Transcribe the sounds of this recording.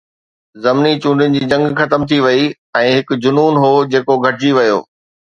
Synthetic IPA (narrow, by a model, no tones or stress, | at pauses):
zɐmnit͡ɕũːɳɖʱɪʊnɪ̆d͡ʑiːd͡ʑɐ̃ŋɡxɐt̪əmt̪ʰiʋɐi | ɛ̃ːɦɪkʊ̆d͡ʑʊnuːnɦoːd͡ʑeːkoɡʱɐʈɪd͡ʑiʋɐjo̰ː